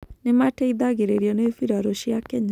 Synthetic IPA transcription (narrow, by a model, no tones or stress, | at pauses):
nemaʈɛid̪aɡeɾeɾjɔnefiɾaɾoʃiakɛɲa